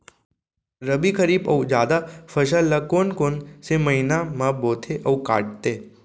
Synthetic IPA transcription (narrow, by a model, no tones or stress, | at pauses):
ɾəbikəɾiːbɐud͡ʒjaːd̪afɐʃalɐkoːnkoːnsemɐinamãboːt̪ʰeʔɐuka̰ːʈ̚t̪eː